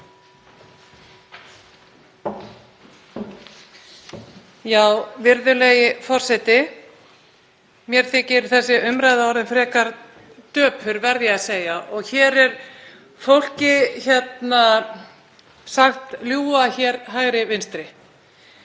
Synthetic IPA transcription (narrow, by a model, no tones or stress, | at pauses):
jaːwvɪɾðʏlɛjɪfɔr̥sɛt̪ɪ | mjɛɾ̥θɪcɪɾʏ̥θɛsːɪʔʏmɾajðaɔɾðɪnfɾɛːkaɾ | t̪œːpfʏɾvɛɾðjɪaseːjaʔɔɣçɛːɾɛɾ̥ | fowl̥cɪçɛt̪na | saxt̪ljuːaçɛːɾɦajɣɾɪvɪnst̪ɾɪ